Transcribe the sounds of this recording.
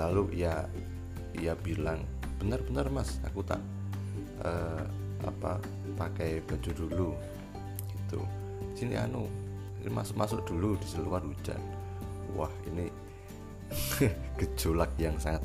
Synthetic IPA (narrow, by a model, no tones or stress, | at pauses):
laluʔija | ijabilaŋ | b̥ənərbənərmasa̰kut̪a̰ʔ | ə | ʔa̰pa̰ | pakajb̥ad͡ʒudulu | ɡ̥it̪ṵ | sinḭʔa̰nu | inḭma̰sʊʔmasʊʔ̚d̥ulud̥isəluanu̥d͡ʒa̰n | wa̰hḭni | ɡ̥ə̥d͡ʒolak̚jaŋsaŋat̪̚